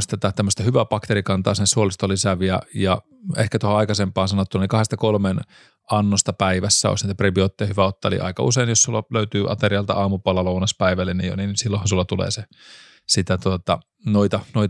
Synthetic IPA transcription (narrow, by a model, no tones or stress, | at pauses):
st̪æt̪æt̪æmːøst̪ɑhyʋæpɑkt̪eɾikɑnt̪ɑːsensuolist̪olisæʋiæjɑ | ḛhkæt̪ohoɑikɑsempɑːnsɑnot̪ːunɑnlikɑhest̪ɑkolmen | ɑnːost̪ɑpæiʋæsːæo̰isniːt̪æprebiot̪ːejɑhyʋæot̪ːɑḛlḭʔɑ̰ikɑ̰useinjossulːɑløyt̪yːʔɑ̰t̪eriɑlt̪ɑ̰ɑːmupɑlɑlounɑspæiʋælːennijo̰ninsilːohɑnsulːɑt̪ulḛːse | sit̪æt̪uot̪ɑ | noit̪ɑnoit̪